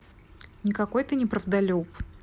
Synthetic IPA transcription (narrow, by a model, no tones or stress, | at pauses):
nʲɪkɐko̞jt̪ənʲɪpɾəvd̪ɐlʲop